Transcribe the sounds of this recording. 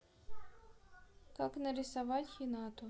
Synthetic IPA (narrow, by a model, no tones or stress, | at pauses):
kaknɐɾʲɪsɐʋɑtʲxʲinɑt̪ʊ